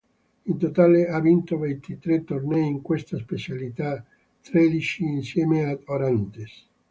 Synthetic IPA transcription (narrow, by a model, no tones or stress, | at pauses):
int̪ot̪aːleavint̪ovent̪it̪ɾet̪ːornɛjiŋkwest̪aspet͡ʃalit̪a | t̪ɾɛd̪it͡ʃiːnsjɛːmead̪oɾant̪es